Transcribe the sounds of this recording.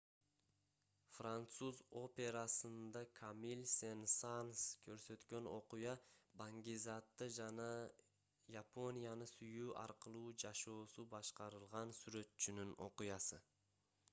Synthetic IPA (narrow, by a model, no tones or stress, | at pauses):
frant̪suzo̞pʲe̞ɾɑsɯnd̪ɑkʰamilʲsensanskʰø̞ɾsø̞t̪kø̞no̞qujɑbaŋɡʲizɑt̪ːɯd͡ʒɑnɑ | japo̞nʲijanɯsyjuːʔɑ̰ɾqɯlˠuːd͡ʒɑʃo̞ːsubɑʃqɑɾɯlˠʁɑnsyɾø̞t̪t͡ʃynyno̞̰qujɑsɯ